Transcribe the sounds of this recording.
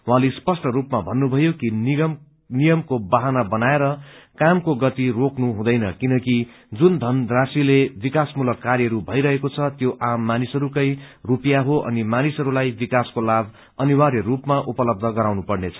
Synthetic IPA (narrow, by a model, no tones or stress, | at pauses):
w̃ɦãlespʌsʈʌɾupmabʱʌnːubʱʌjokiʌ | nijʌmkobaɦanabʌnaeɾʌkamkoɡʌt̪iroknuɦũd̪ʌjnʌkinʌki | d͡zund̪ʱʌnd̪rasilebikasmulʌkːarjʌɦɾubʱʌjɾʌɦekot͡sʰʌt̪joʔamːanisʌɾukʌjrupijaɦoʔʌ̰nimanisɦʌɾulajbikaskolab | ʌniwaɾjʌrupmaʔupʌlʌb̚d̪ʱʌɡʌɾawnupʌrnet͡sʰʌ̥